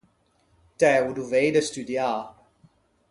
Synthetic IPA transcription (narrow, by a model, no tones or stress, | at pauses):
tɛːuduvejdəstydjaː